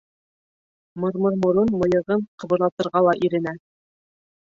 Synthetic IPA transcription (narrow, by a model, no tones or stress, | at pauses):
mŏɾmɤ̆ɾmŏɾɤnmŏjɤ̆ʁɤɴqɤ̆βɤ̆ɾlˠɑt̪ɤ̆ɾʁɑlˠɑʔiɾɘ̆næ